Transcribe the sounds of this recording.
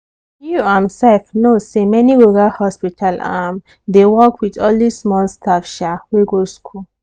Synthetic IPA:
juãmsɛlfnosemɛniɹuɡalhɔspitʰalam | dewɔkwidɔlismɔ̃lstʰafʃaweɡoskʰul

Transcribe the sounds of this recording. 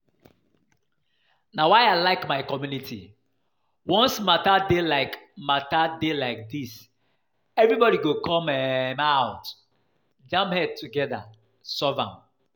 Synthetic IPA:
nawaɪaɪlaɪkmaɪkɔmjunitʰḭ | wɔ̃nsmatadelaɪkmatadelaɪk̚dis | ɛvɹibɔɾiɡokʰɔ̃mɛmaʊt | d͡ʒãmphɛd̚tʰuɡɛða̰ | sɔvã̰m

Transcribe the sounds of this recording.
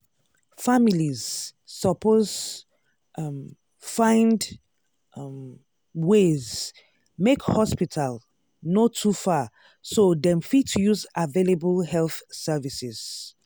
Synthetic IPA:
familiz̥sɔpʰoz | fãɪ̃nd | wez | mekhɔspitʰal | notʰufa | sodɛ̃mfitʰujuzavelebəlhɛlθsɛvisɪz̥

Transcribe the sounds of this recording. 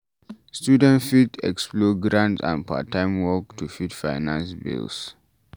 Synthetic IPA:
stjudɛ̃ntfitɛ̰ksplɔɡɹãntã̰npʰa̰tãɪmwɔk̚tʰufitfaɪnãnsbḭls

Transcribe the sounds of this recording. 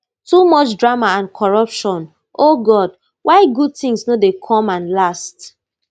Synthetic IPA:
tumɔt͡ʃdɹamaãnkʰɔɹɔpʃɔ̃n | oɡɔd̚ | waɪɡud̚tĩŋsnodekʰɔ̃mãnlast

